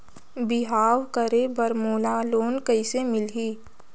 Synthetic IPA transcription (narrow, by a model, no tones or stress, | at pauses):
bɪɦaːwkəɾebəɾmoːlaloːnkəɪsemɪlɦiː